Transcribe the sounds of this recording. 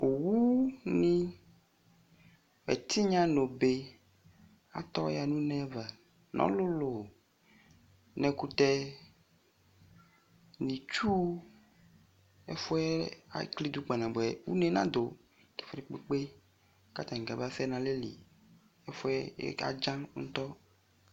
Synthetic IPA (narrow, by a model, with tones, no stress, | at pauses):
o˨wu˦nĩ˦ | ɛ̰˨t̪ʰi˦ɲã˦no˨be˦ | a̰˨t̪ɔ˦ja˨nũ˦nɛ̃˦va˨ | nʔɔ̰̃˦lo˦lo˨ | nɛ̃˨ku˦t̪ɛ˦ | nĩ˨t͡ʃu˦ | ḛ˦fɔ˦ɛ˦a̰˨kli˦d̪u˦k͡pa˨nã˨bɛ˨wṵ˦nɛ̃˦nã˦d̪o˨ | t̪e̥˨fɾe˨k͡pe˦k͡pe˦ | ka˦t̪ã˨ŋ˨ɡa˨ba˦fɛ˦nã˨le˦lḭ˨ | e˦fɔ˦ɛ˦a̰˨d͡ʒã˦ŋŋ̩˦t̪ɔ˦